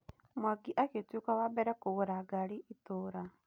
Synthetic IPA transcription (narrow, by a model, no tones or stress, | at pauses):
mwaɡiʔaketjukawabɛɾɛkoɣuɾaɡaɾiʔitoːɾa